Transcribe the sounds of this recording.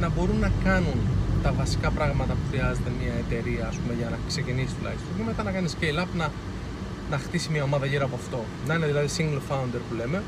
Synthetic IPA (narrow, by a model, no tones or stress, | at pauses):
nɐbo̞ɾunːɐkɐnunt̪ɐvɐsi̥kɐpɾɐɣmɐt̪ɐpuxɾiɐzet̪emɲiɐe̞t̪e̞ɾiɐːspume̞ʝɐnɐkse̞cinisist̪ulɐ̰çist̪jimet̪ɐnɐkɐniscelɐpnɐ | nɐxt̪isimiɐo̞mɐðɐʝiɾɐpoɐft̪o̞ | nɐineðilɐðisiŋɡlfɐund̪e̞ɾpule̞me̞